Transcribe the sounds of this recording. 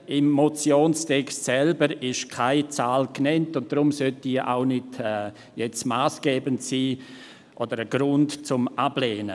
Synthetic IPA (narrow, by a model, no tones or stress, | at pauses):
emːot͡sjoːnstʰɛkstsɛlbəɾɪʃkʰaɪt͡saːlknɛntʊnt̚d̥ɾʊmsœltiʔa̰ʊnɪdɛ | jɛt͡smaːsɡ̥ɛːbəntsiː | ʔodəɾəɡ̥ɾʊntt͡sʊmʔab̥leːnə